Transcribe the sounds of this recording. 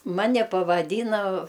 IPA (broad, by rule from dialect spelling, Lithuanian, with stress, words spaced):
ˈmɑːnʲɛ pɐʋɐˈdʲiːnɐ